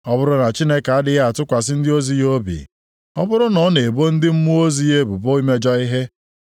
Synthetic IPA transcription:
ɔ˦bʊ˦ɾʊ˦na˨t͡ʃi˦ne˦ka˨a˦dɪ˦ɣa˦a˨tʊ˦kʷa˨s̬ɪ˦n̩˦dɪ˦o˦zi˦jo˦bḭ˨ | ɔ˦bʊ˦ɾʊ˦nɔ˨˦ne˨bo˦n̩˦dɪ˦m̩˦mu˦o˦zi˦je˦bu˨bo˦i˦me˦d͡ʒɔ˦i˦ɦe˦

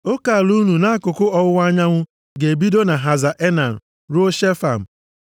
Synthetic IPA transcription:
o˦ka˨lu˦nu˨na˦a˦kʊ˨kʊ˦ɔ˨wʊ˦wa˦ɲa˦ŋʷʊ˦ | ɡe˨bi˦do˦na˨ɦa˨za˨ʔe˦na˨n̩˨ | ɾo˦ʃe˦fa˨m̩˨

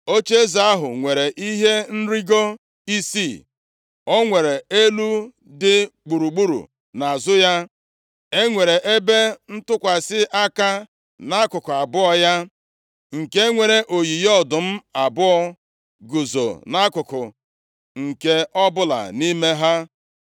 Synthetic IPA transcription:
o˦t͡ʃe˦za˦a˦ɦʊ̰˨ŋʷe˨ɾe˨ʔi˦ɦe˦n̩˦ɾi˦ɡo˦ | i˦si˦˨ | ɔ˦ŋʷe˨ɾe˨e˦lu˦ | dɪ˦k͡pu˨ɾu˨ɡ͡bu˦ɾṵ˨ | na˨a˨zʊ˦ja˦ | e˦ŋʷe˨ɾe˨ʔe˦be˦n̩˦tʊ˦kʷa˨sɪ˦ʔa˦ka˦ | na˦kʊ˨kʊ˨a˨bʊ˦ɔ˦ja˦ | ŋ̩˨ke˦ŋʷe˨ɾe˨ʔo˨ji˨jɔ˦dʊ˨m̩˦a˨bʊ˦ɔ˦ | ɡu˨zo̰˨na˦kʊ˨kʊ˨ | ŋ̩˨ke˦ɔ˦bʊ˦la̰˨ni˦me˦ɦa˦

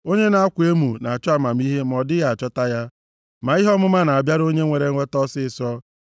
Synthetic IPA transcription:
o˦ɲe˦na˨a˦kʷe˦mu˨na˨a˨t͡ʃɔ˦a˦ma˨m̩˦i˦ɦe˦m˨ɔ˨dɪ˦ja˨a˨t͡ʃɔ˦ta˦ja˦ | ma˨i˦ɦɔ˦mʊ˦ma˦na˨a˨bja˦ɾo˦ɲe˦ŋʷe˨ɾe˨ŋ̩ʷ˦e˦tɔ˦sɪ˦˨sɔ˦

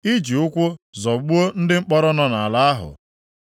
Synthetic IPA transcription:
i˦d͡ʒi˨ʊ˦kʷʊ˦zɔ˨ɡ͡bu˦o˦n̩˦dɪ˦ŋ͡m̩˦k͡pɔ˦ɾɔ˦nɔ˦na˨a˨la˦a˦ɦʊ̰˨

